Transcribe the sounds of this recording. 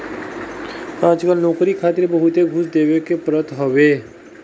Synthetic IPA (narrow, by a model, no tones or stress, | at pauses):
kãːt͡ʃkəlnoːkɾikʰaːt̪ɪɾbəɦʊt̪eɡʱʊsd̪eːʋekepɾət̪ɦoʋeː